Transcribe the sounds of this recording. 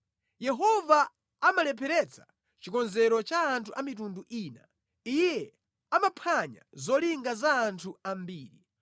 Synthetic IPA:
jɛɦɔvaː | malɛpʰɛɾɛt͡sʰḁ | t͡ʃikɔnzɛɾɔt͡ʃaːntʰuʔamitunduʔiːna̰ | ijɛ | amapʰaɲa̰zɔliŋɡazaːntʰuambiːɾi

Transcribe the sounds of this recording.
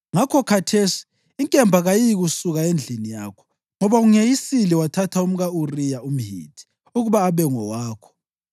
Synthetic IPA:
ŋakʰɔkʰatʰeːsi̥ | iŋkʼɛmbʱaɣajijɣusuɣaend͡ɮʱinijakʰɔ̥ | ŋɔβauŋejisiliwatʰatʰaum̩ɣaurijaum̩ɦḭːtʰʼi̥ | uɣuβaːβɛŋɔwaːkʰɔ̥

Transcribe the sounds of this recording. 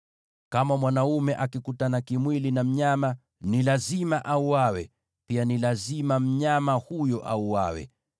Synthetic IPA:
kamamwanaumɛʔakikutanakimwilinam̩ɲama | nilazimaʔauawɛ | pianilazimam̩ɲamahujɔʔa̰uwawɛ̰

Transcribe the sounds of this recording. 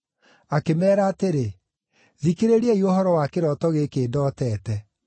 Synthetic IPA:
akemɛːɾaːteɾe | ðikeɾeɾiɛiohɔɾɔwakeɾɔtɔɣekeːdɔːtɛːtɛ

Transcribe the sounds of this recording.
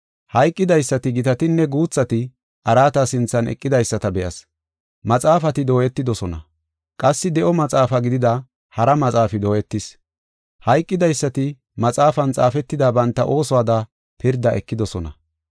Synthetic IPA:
hɐjkʼːɪd̪ɐjsːɐt̪ɪɡɪt̪ɐt̪ɪnːɛɡuːt͡sːɐt̪ɪ | ʔɐɾaːt̪ɐsɪnt͡sːɐnɛ̰kʼːɪd̪ɐjsːɐt̪ɐbɛʔɐs | mɐt͡sʼaːfɐt̪ɪd̪o̞ːjɛt̪ːɪd̪ɔsɔnɐ̰ | kʼɐsːɪd̪ɛʔɔmɐt͡sʼaːfɐɡɪd̪ɪd̪ɐ | hɐɾɐmɐt͡sʼaːfɪd̪o̞ːjɛt̪ːɪs | hɐjkʼːɪd̪ɐjsːɐt̪ɪ | mɐt͡sʼaːfɐnt͡sʼaːfɛt̪ːɪd̪aːbɐnt̪ːɐʔo̞ːsɔwaːd̪ɐ | pɪɾd̪ɐʔɛkːɪd̪ɔsɔnɐ̰

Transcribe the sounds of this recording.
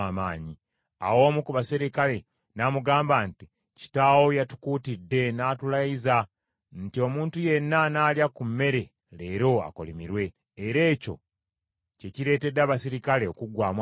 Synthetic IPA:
amaːɲi | a̰wo̞ːmukuβasiɾikale̞ | namuɡaːmbanti | ci̥tawo̞jatu̥kuːtidːe̞naːtulajiza | ntio̞muːntuje̞nːanaːljakumːe̞ɾe̞ | le̞ːɾo̞a̰ko̞̰limiɾwe̞ː | ɾe̞ːco̞̰ | ce̞ciɾe̞ːte̞dːaβasiɾikale̞okuɡwaːmw

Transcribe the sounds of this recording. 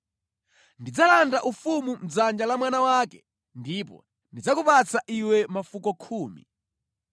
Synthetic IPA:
ndid͡zalandaʔufumum̩d͡zand͡ʒalamwanawaːkɛ̥ | ndipɔ̰ | ndid͡zakupat͡saʔiwɛmafukɔkʰuːmḭ

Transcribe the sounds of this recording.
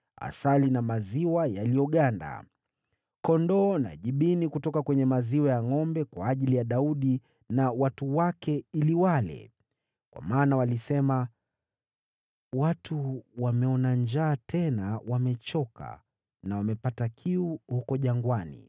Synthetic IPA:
a̰salinamaziwajalijɔɠanda̰ | kɔndɔna̰ʄiɓinikutɔkakwɛɲɛmaziwajaŋɔmbɛkwaːʄilijaɗauɗi | nawatuwakɛiliwalɛ̰ | kwʔa̰maːnawalisɛma | watʰuwamɛɔnaɲd͡ʒaːtʰɛnawamɛt͡ʃɔka̰ | nawamɛpatakʰiuhukɔʄaŋɡwanḭ

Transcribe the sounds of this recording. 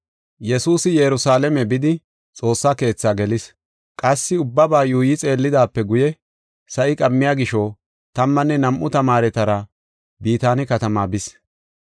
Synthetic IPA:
jɛsuːsɪjɛɾʊsaːlɛmɛbɪd̪ɪ | t͡sʼo̞ːsːake̞ːt͡sːaːɡɛlɪs | kʼɐsːɪʊbːɐbaːjuːjɪt͡sʼe̞ːlːɪd̪aːpːɛɡʊjɛ | sɐʔɪkʼɐmːɪjaːɡɪʃo | t̪ɐmːɐnːɛnɐmʔʊt̪ɐmaːɾɛt̪ɐɾɐ | biːt̪aːnɪkɐt̪ɐmaːbɪs

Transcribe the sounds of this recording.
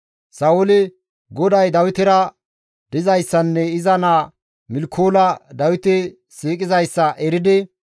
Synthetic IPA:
sɐwʊlɪ | ɡɔd̪ɐjd̪ɐwɪt̪ɪɾɐ | d̪̥ɪzɐjsːɐnːɛɪzɐnaː | mɪlkʰoːlɐd̪ɐwɪt̪ɪ | siːkʼɪzɐjsːɐʔɛɾɪd̪ɪ

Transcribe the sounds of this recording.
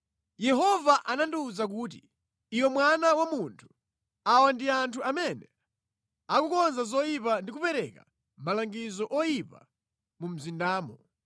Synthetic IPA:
jɛɦɔvaʔanandiuzak̬uːtḭː | jɔmwanawamuntʰu̥ | awandiantʰuamɛnɛ | akukɔnzazɔjipandik̬upɛɾɛka̰ | malaŋɡizɔʔɔjipa̰ | mum̩zindaːmɔ

